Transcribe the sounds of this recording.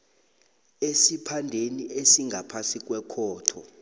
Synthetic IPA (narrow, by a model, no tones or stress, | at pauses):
esipʰandʱeniʔesiŋɡʱapʰasik̬ʼwɛkʰɔːtʰɔ̰